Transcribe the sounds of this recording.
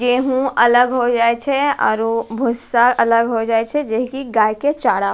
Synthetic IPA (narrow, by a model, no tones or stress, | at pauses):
jeɦũələɡɦod͡ʒaːet͡ʃʰɛɔ̰ːɾobʱʊsaɾələɡɦod͡ʒaːet͡ʃʰɛd͡ʒeɦkiɡaːjket͡ʃaːɽa